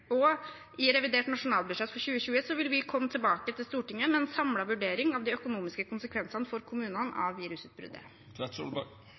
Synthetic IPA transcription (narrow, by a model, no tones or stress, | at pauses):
ɔ | ɪɾɛʋɪd̪eːʈnɑʂʊnɑːlˠbʉd̪ʂɛt̪fɔɾɕʉːəɕʉːəsɔʋɪlʋɪkʰɔmːət̪ʰɪlbɑːkət̪ʰɪlst̪uːʈɪŋːəmɛɛnsɑmlɑʋʉɖeːɾɪŋɑʋd̪ɪœkʊnuːmɪskəkʰʊnsəkʰʋɛnsɑnəfɔɾkʰʊmʉːnɑnɑ̰ʋːiːɾʉsʉt̪̚bɾʉ̰d̪ə̰ | ɛt̪sɔ̰lbɑ